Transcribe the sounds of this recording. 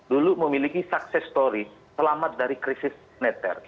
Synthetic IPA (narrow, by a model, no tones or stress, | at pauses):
duluməmilikisaksɛst̪oɾisəlamat̪̚daɾikɾisɪs | nɛt̪ɛ̰r